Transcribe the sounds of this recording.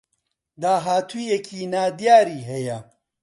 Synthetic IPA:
d̪aːɦaːt̪ʰuːjɛkʰiːnaːd̪jaːɾiːɦɛjɐ

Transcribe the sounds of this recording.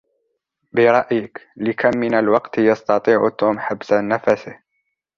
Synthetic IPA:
bɪɾˤɑʔjɪklɪkʰamːɪnalwɑqt̪jɑst̪ɑt̪ˤiːʕʊt̪uːmħabsanæfæsɪh

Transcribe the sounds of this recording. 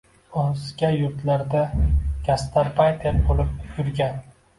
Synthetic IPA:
onzɡʲajʊɾt̪laɾd̪akʲʰast̪ʰaɾbajt̪ʰeɾbolɪp̚jʊɾɡʲan

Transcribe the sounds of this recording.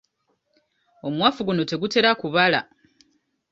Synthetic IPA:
o̞mwaːfuɡuno̞te̞ɡute̞ɾakuβala̰

